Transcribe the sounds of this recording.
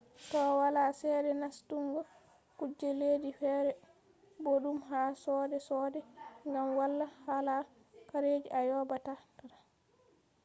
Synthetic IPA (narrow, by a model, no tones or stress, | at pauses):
tɔwalaːsɛdɛnastuŋɡɔ | kud͡ʒːɛleːdifɛːɾɛ | boɗumɦaːsɔːdɛsɔdɛŋɡamwalːahala | kaɾed͡ʒiʔajɔbatakaɾa